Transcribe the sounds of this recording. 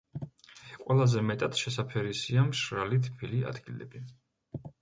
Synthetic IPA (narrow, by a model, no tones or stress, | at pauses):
kʼwɛlˠazɛmɛt̪ʼat̪ʃɛsapʰɛɾisiamʃɾalit̪ʰpʰilia̰d̪ɡilɛ̰bi